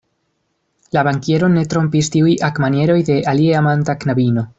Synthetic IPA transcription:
laβaŋkjeɾo̞ne̞t̪ɾo̞mpistiujʔakmanje̞ɾo̞jde̞ʔalieamantaknaβino̞

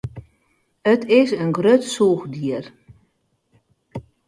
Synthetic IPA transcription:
ətɪsənɡrøtsuːxdiər

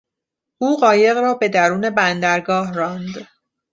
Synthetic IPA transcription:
ʔuːɢɒːje̞ɣɾɒːbe̞d̪æɾuːne̞bænd̪æɾɡɒːhrɒːnd̪

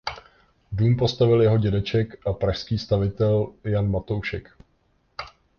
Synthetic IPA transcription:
duːmpo̞st̪avɪljɛɦo̞ɟɛdɛt͡ʃɛkʔapɾaʃskiːst̪avɪt̪ɛljanmat̪o̞wʃɛ̰k

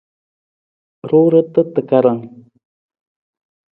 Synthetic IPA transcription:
ɾuɾət̪ət̪əkaɾaŋ

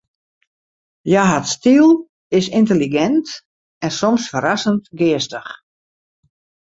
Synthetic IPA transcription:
jaɦatstilˠ | ɪsɪntəliɡɛnt | ɛnsɔmsfəɾasəntɡɪəstəx

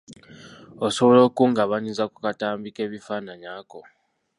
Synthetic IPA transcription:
oso̞βolo̞ːkuːŋɡaβaɲizakukataːmbike̞ːβifaːnaɲaːko̞

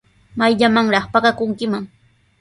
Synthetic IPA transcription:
majʎamaŋɾɑχpaɢakʊŋkɪmaŋ

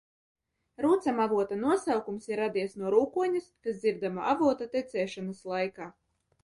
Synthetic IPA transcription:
ɾuːt̪samavuɔt̪anuɔsawkumsiɾːad̪iɛsnuɔɾuːkuɔɲaskasd̪ziɾd̪amaʔavuɔt̪at̪ɛt̪sɛːʃanaslˠajkaː

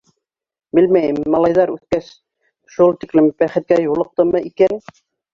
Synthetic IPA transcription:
bɘlmæjɘmːɑlˠɑjðɑɾʉθkæs | ʃulˠt̪iklɘmbæχɘ̆t̪̚kæjulˠɤ̆q̚t̪ɤmɤʔikæn

